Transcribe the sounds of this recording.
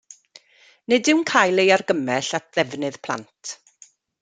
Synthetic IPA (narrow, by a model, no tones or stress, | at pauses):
nɨdɪwnkʰaːjlˠejarɡəmɛɬat̚ʰðɛvnɨð̥pʰlˠa̰ntʰ